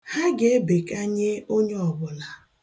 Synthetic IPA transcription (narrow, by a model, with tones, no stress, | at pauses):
ha˦ɡe˦be˨ka˦ɲe˦o˦ɲe˦ɔ˨bʊ˨la˨